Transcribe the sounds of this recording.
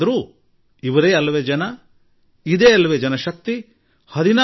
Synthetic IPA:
ɐɾuː | iʋɐɾeːɐlːɐʋeːd͡ʒɐnɐ | id̪eːɐlːɐʋeːd͡ʒɐnɐʃɐk̚t̪i | hɐd̪ina

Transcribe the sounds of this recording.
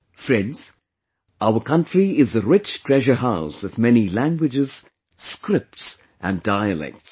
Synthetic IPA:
fɹɛ̃ndz̥ | aʊəkʰʌ̃ntɹiɪzəɹɪt͡ʃtʰɹ̥ɛʒə˞ɦaʊsʌvmɛnilæ̃ŋɡwɨd͡ʒɪz̥ | skɾɪp̚ts | ʔə̰̃ndaɪɨlɛ̰k̚ts

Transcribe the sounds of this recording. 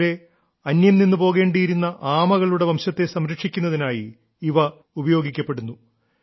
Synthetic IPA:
ɾe̞ | ɐnjɐmninːupo̞ːɣe̞ːɳɖiːɾunːɐʔaːmɐɣɐɭuɽe̞ʋɐmɕɐt̪ːe̞sɐmɾɐkʂikʲːunːɐðinaːji | iʋɐ | ubɐjo̞ːɡikʲːɐpːe̞ɽunːu

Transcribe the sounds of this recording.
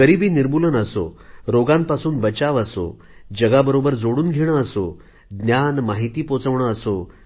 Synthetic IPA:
əɾibiːniɾbulənəso̰ɾoɡãmpasuːnbət͡ɕaʋəso̰ | d͡ʑəɡabəɾobəɾd͡zoɽuːnɡʱeɽ̃əəso | ɡ̪njanmaɦit̪iːpot͡səʋɳ̃əəso

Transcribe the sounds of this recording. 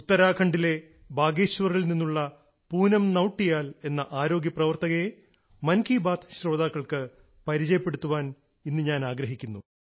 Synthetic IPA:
ut̪ːɐɾaːkʰɐɳɖile̞ | baːɡeːɕʋɐrilninːuɭːɐ | puːnɐmnɐwʈːijaːle̞nːɐʔaːɾo̞ːɡjɐprɐʋɐrt̪ɐɣɐe | mɐnkʰiːbaːt̪ʰɕro̞ːd̪aːkːɐɭkɨ | pɐɾit͡ɕɐjɐpːeɽut̪ːuʋaːn | inːɨɲaːnaːɡɾɐɦikʲːunːu

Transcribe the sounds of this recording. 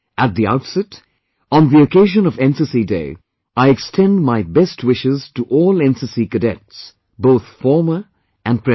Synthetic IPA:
ʔət̪̚ðia̰ʊtsɛt | ɔ̃n̩ðiɨkʰeɪʒə̃nʌvɛ̃nsɨsideɪ | aɪɨkstʰɛ̃ndmaɪbɛst̚ʰwɪʃɪz̥təʔɔːlˠɛ̃nsɨsikɨdɛts | boʊθfɔɹmə˞ | ɨ̃n̚pʰɹɛ

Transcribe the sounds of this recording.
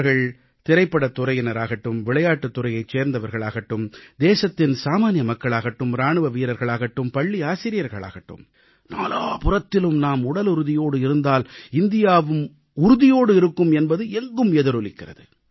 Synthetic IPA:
ɾɣɐɭ | t̪ɪɾɐɪpːɐɽɐt̪ːʊɾɐjɪnɐɾaːɣɐʈːɯmʋɪɭɐjaːʈːɯt̪ːʊɾɐjɐɪt͡ʃːeːɾnd̪ɐʋɐɾɣɐɭaːɣɐʈːɯmd̪eːsɐt̪ːɪnsaːmaːnɪjɐmɐkːɐɭaːɣɐʈːɯmɾaːɳɯʋɐʋiːɾɐɾɣɐɭaːɣɐʈːɯmpɐɭːiaːsɪɾɪjɐɾɣɐɭa̰ːɣɐʈːɯ̰m | naːlaːpʊrɐt̪ːɪlɯmnaːmʊɽɐlʊɾɯðɪjoːɽɯɪɾɯnd̪aːlɪnd̪ɪjaːʋɯm | ʊɾʊðɪjoːɽɯɪɾɯkːɯmɛnbɐðɯɛŋɡɯmɛðɯɾɔlɪkːɪrɐ̰ðɯ

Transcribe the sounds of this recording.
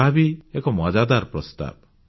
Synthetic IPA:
abiekɔmad͡ʒad̪aɾpɾɔst̪a̰b̚

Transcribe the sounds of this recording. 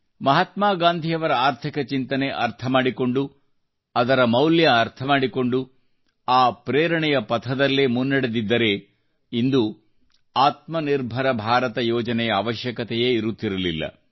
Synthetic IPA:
mɐɦɐt̪maːɡaːnd̪ʱijɐʋɐɾɐaːɾt̪ʰikɐt͡ʃint̪ɐne̞ʔɐɾt̪ʰɐmaːɽiko̞ɳɖu | ɐd̪ɐɾɐmɐwljɐːɾt̪ʰɐmaːɽiko̞ɳɖu | aːpɾeːɾɐɳɛjɐpɐt̪ʰɐd̪ɐlːemunːɐɽed̪id̪ːɐɾe̞ | ind̪u | aːt̪mɐniɾbʱɐɾɐbʱaːɾɐt̪ɐjɔːd͡ʒɐnɛjɐaːʋɐʃjɐkɐt̪ɛjeiɾut̪ːiɾɐlilːɐ̰

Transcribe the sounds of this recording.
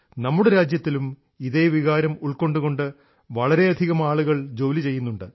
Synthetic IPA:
nɐmːuɽeɾaːd͡ʑjɐt̪ːilum | iðe̞ːʋiɣaːɾɐmuɭko̞ɳɖuɣo̞ɳɖɨ | ʋɐɭɐɾe̞ɐd̪ʱiɣɐmaːɭuɣɐɭd͡ʑo̞ːlit͡ɕe̞jːunːuɳɖɨ

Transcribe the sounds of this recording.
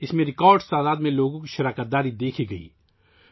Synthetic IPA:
ɪsmẽɾɪkaːɾɖst̪aːd̪aːd̪mẽloːɡõkiʃɐɾaːkət̪̚d̪aːɾid̪eːkʰiɡɐḭː

